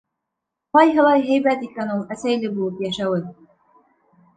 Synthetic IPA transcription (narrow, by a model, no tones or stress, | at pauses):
qɑjɦɤ̆lˠɑjɦæjbæt̪ikænulˠæsæjlɘbulˠɤpjæʃæwɘð